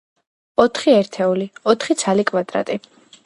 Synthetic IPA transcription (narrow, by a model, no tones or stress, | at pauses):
ɔt̪ʰχiɛɾt̪ʰɛuliɔt̪ʰχit̪sʰalikʼvad̪ɾa̰t̪ʼi